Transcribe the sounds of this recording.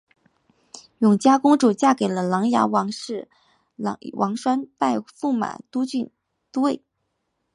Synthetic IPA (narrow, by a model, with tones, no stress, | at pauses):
jʊ˨˩ŋt͡ɕja˥kʊ˥ŋʈ͡ʂu˨˩t͡ɕja˥˩ke˨˩ɪlə˦lɑ˧˥ŋja̰˧˥wɑ˧˥ŋʂɻ̩˥˩˧ | wʔɑ˧˥ŋʂwa˥npa˥˧ɪfu˥˩ma̰˨˩t̪u˥t͡ɕy˥˧ | t̪u˥we˥˩ɪ